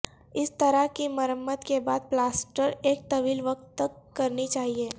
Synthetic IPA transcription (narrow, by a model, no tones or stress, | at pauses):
ɪst̪əɾakiməɾəmːət̪kebaːd̪̚plaːsʈəɾeːk̚t̪ɐʋiːlʋɐk̚t̪ːɐkːɐɾnit͡ʃaːɦieː